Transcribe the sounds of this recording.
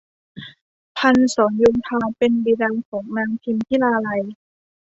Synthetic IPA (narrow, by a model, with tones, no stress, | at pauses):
pʰa˧nsɔː˩˦njoː˧ŋt̪ʰaː˧pe˧nbiː˧daː˧ŋkʰɔː˩˦ŋnaː˧ŋt̪ʰi˧mt̪ʰiː˥˨laː˧la˧j